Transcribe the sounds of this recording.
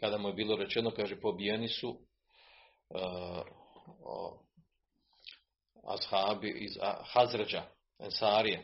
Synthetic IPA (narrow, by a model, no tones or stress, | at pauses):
kad̪amuje̞biːlo̞ɾe̞t͡ɕeno̞kaːʒepo̞bijenisu | a̰shaːbiiz̰hazɾad͡ʑa | ensaːɾije